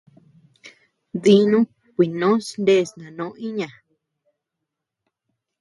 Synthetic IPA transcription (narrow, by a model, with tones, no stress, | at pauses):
ði˧nũ˦ | kʷi˨nõ˨˦snd̪e˦˨snã˨nõ˨˦ĩ˦ɲã˨